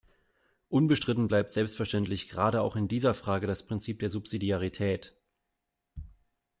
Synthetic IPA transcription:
ʔʊnbəʃtʁ̥ɪtn̩blaɪp̚tz̥ɛlpstfɛɐʃtɛntlɪçɡ̥əʁaːɾəaʊxɪndiːzɐfʁ̥aːɡədaspʁ̥ɪnt͡siːp̚d̥eːɐzupz̥idiaʁitʰɛːt

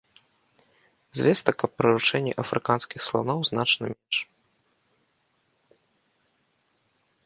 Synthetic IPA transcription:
zʲvʲɛst̪ɐkɐpːɾɐɾut͡ʂɛnʲːɛ̰ʔɐfɾɨkanskʲixslˠa̰nɔwznat͡ʂnɐmʲɛnʂ

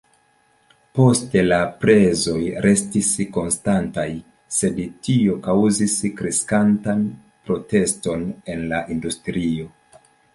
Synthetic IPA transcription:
po̞ste̞lapɾe̞zo̞jɾʔe̞stisko̞nstantaj | se̞detio̞kawziskɾeskantan | pɾo̞te̞sto̞ne̞nlaʔindustɾio̞

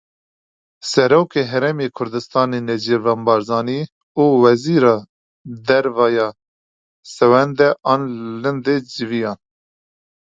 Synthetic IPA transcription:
sɛɾoːkeɦɛɾɛmeːkʰʊɾd̪ɨst̪ɑːnenɛd͡ʒevɛmbɑːɾzɑːniː | uːwɛziːɾɑː | d̪ɛɾvɑːjɑː | sɛwɛnd̪ɛʔɑːnlɨnd̪ed͡ʒɪvijɑːn

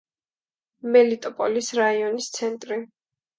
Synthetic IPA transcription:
mɛlit̪ʼɔpʼɔlisɾaiɔnist̪sʰɛnt̪ʼɾi

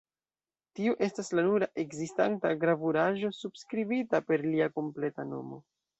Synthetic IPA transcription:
tiuʔe̞staslanuɾaʔe̞ɡzistantaɡɾavuɾaʒo̞subskɾibitape̞ɾliako̞mple̞ta̰no̞̰mo̞̰

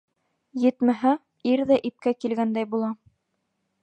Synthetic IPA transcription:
jɘ̆t̪mæɦæ | iɾðæʔip̚kækilɡænd̪æjbulˠɑ

